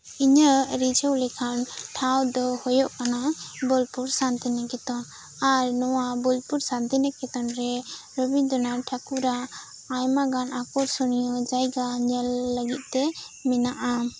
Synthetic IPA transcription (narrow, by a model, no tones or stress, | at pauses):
iɲəɾid͡ʒəwlɛkʰanʈʰawd̪ɔhɔjɔʔkanabɔlpuɾsant̪inakɛt̪ɔn | aɾnɔwabɔlpuɾsant̪inɛkɛt̪ɔnɾɛɾəbid̪ɔnaʈʰakuɾaː | jmaɡanakɔɾsɔnijɔd͡ʒajɡaɲɛlːəɡit̪̚t̪ɛ | minaʔa